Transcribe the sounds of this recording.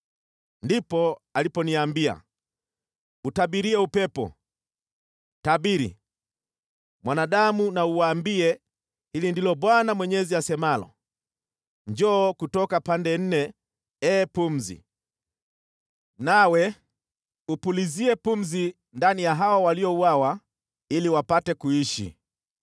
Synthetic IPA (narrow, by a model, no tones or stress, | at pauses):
ndipɔalipɔniambia̰ | utabiɾiɛupɛpɔ̰ | tabiɾḭ | mwanaɗamunauwaːmbiɛ | hilindilɔɓwanamwɛɲɛziasɛmalɔ̰ | ɲd͡ʒɔːkutɔkapandɛn̩nɛ | ɛːpum̩zḭ | nawɛ | upuliziɛpum̩zi | ndanijaɦawawaliɔuwawa | iliwapatɛkuiʃḭ